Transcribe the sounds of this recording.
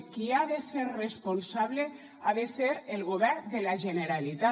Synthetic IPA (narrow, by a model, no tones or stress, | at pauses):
kiaðeseɾresponsaβle | aðeseɾelɣoβɛɾd̪elaʒeneɾalit̪a